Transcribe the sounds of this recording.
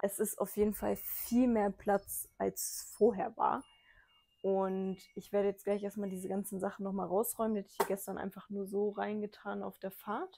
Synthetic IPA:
ʔɛsɪsta̰ʊfjeːdn̩fa̰lfiːlmeːɐpʰl̥at͡sʔalsfoːɐɦeːɐva̰ːɐ | ʔʊntʔɪçv̥eːɐɾəjɛt͡stɡ̥laɪçʔeːɐstmaːldiːzəɡant͡sn̩zaχn̩nɔχmaːlʁaʊsʁɔʏmənhɛtə̥ç̥iːɡɛstɐnʔa̰ɪnfaχnuːɐzoːʁaɪnɡətʰaːna̰ʊfd̥eːɐfaːɐt

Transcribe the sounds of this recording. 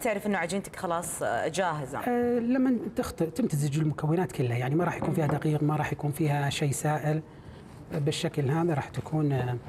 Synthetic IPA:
t̪ɪʕɾɪfʔɪnːaʕad͡ʒiːnt̪ḁkxɑlɑːsˤd͡ʒaːɦɪza̰lamːat̪ɪxt̪ˤɨʔt̪ɪmt̪azɪd͡ʒɪlmʊkawːɪnaːt̪kɪlːhajaʕnimaɾˤɑːħjakuːnfiːhad̪aqiːqmaɾˤɑːħjakuːnfiːhaʃeːsaːʔɪl | bɪʃːaklɦaːðaɾˤɑːħt̪akʰuːn

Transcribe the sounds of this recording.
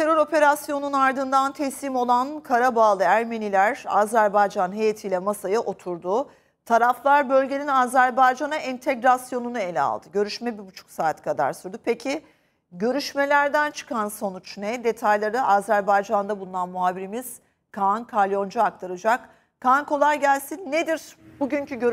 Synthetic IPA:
t̪ʰe̞ɾø̞ɾo̞pʰe̞ɾasjo̞nunaɾd̪ɯnd̪ant̪ʰɛsiːmo̞lˠankʰaɾabaːlˠɯæɾme̞nilʲæɾaːzæɾbajd͡ʒanɦe̞jet̪ʰiːlʲɛmasajɯʔo̞t̪ʰuɾd̪ʊ | t̪ʰaɾaflˠaɾbø̞lʲɟeninaːzæɾbajd͡ʒanaʔɛnt̪ʰeɡɾasjo̞nunɯe̞lʲɛ̰a̰lˠd̪ɯɟø̞ɾyʃmɛbibut͡ʃʰu̥ksaːt̪ʰkʰad̪a̰ɾsyɾd̪upʰe̞cʰɪ | ɟø̞ɾyʃme̞lʲæɾd̪ænt͡ʃʰɯ̥kʰanso̞nut͡ʃnɛd̪e̞t̪ʰajlˠaɾɯʔaːzæɾbajd͡ʒand̪abulˠunanmuɦaːbiɾimiz̥ | kʰankʰalʲjo̞nd͡ʒaak̚t̪ʰaɾɯd͡ʒak | kʰːankʰo̞lˠaɾɟælʲsinːed̪iɾbuɟyncyɟøɾ

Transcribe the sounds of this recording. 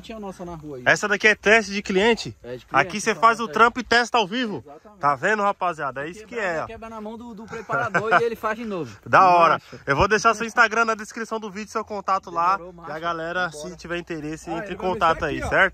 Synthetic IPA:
t͡ʃĩɐnɔsɐnɦuɐɛsɐd̪akiɛt̪ɛʃt͡ʃɪd͡ʒɪkliẽt͡ʃɪakisefazʊt̪ɾɐ̃pʊɪt̪ɛst̪ɐawvivʊt̪avẽnd̪ʊhapaziad̪ʊɛisʊ̥kɪɛɐnmɐ̃w̃d̪ɾepaoelɪfazd͡ʒnovʊd̪aɔɾɐewvod̪eʃaɾsewĩst̪aɡɾɐ̃nɐd̪eskɾisɐ̃w̃d̪ʊvid͡ʒʊsewkõnt̪at̪ʊlaiɐɡalɛɾɐsɪt͡ʃivɛĩt̪eɾesɪẽnt̪ɾɪkõnt̪at̪ʊaisɛɾt̪ʊ

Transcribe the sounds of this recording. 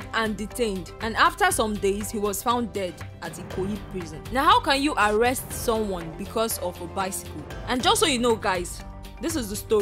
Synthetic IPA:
ãnditʰẽɪ̃ndãnaftəsɔ̃mdeɪz̥hiwɔz̥fãʊ̃ndɛd | atikʰoipʰɹizɔ̃nnaɦaʊkãnjuʔaɹɛstsɔ̃mwɔ̃nbikʰɔzɔvəbaɪsi̥kəlãnd͡ʒʌstsojunoɡaɪz̥ | ðɪs̬ɪzðəstɔ

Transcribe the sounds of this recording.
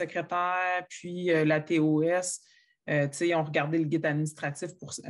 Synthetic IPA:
əkχet̪ɛːʁpɥiølat̪eoɛs | øt̪seiɔ̃ʁɡaʁd̪eləɡʲɪt̪ad̪minist̪χatt͡sifpuʁs

